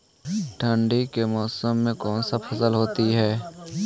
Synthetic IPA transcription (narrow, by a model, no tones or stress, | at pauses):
ʈʰə̃ɳɖikemɔːsəmːẽkɔːnsapʰɐsəlɦoːt̪iɦɛː